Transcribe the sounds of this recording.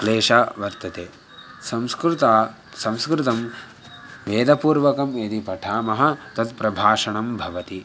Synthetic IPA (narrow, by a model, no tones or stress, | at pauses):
kleːʃaːʋɐɾt̪ːɐt̪eː | sɐmskɾut̪aː | sɐ̃mskɾɪt̪ɐm | ʋeːd̪ɐpuːɾʋɐkɐmeːd̪ipɐʈʰaːmɐɦɐ̆t̪ɐt̪pɾɐbʱaːʂɐɳɐmbʱɐʋɐt̪i